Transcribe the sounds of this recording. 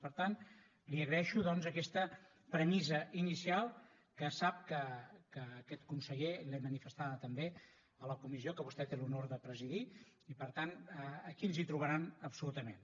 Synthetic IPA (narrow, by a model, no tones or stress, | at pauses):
pəɾt̪an | liəɣɾəɛʃuðɔnzəkɛst̪ə | pɾəmizəinisialˠ | kəsap̚kəkəːkɛt̪kunsəʎelɛmənifəst̪aðət̪əmbe | ələkumiziokəβust̪ɛt̪elunoɾðəpɾəziði | ipəɾt̪anəːkinˠzit̪ɾuβəɾanəpsulut̪əmen